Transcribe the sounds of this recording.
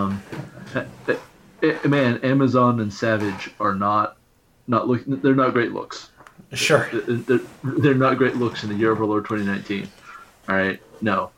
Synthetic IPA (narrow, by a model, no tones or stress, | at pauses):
m | mæ̃næmɨzɑ̃nɨ̃nsævɪd͡ʒə˞nət̚ | nəʔˡlˠʊkɪ̃ðə˞nət̚ɡ̥ɹeɪʔˡlʊ̰ksʃʊðɨðə˞ðə˞nət̚ɡ̥ɹeɪʔˡlʊksɨ̃n̩ðɨjɪɹʌvəlˠə˞tʰw̥ɛ̃ñinãɪ̃ntʰĩn | ɔɹaɪt̚noʊ